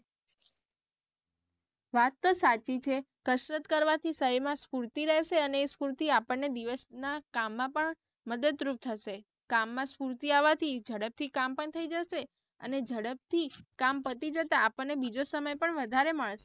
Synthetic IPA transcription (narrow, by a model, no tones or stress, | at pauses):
ʋat̪ːosat͡ʃit͡ʃʰe | kəsɾət̪kəɾʋat̪ʰisəəmãspuɾt̪iɾɛɦʃeəneːspuɾt̪iapəɳːed̪iʋəsnakamːãpəɳ | məd̪əd̪ɾup̚t̪ʰəʃe | kamːãspuɾt̪iaʋat̪ʰid͡ʒəɽəp̚t̪ʰikampəɳt̪ʰəid͡ʒəʃe | ə̰ned͡ʒəɽəp̚t̪ʰikampəɾt̪id͡ʒət̪aːpəɳnebid͡ʒosəməjpəɳʋəd̪ʱaɾeməɭʃe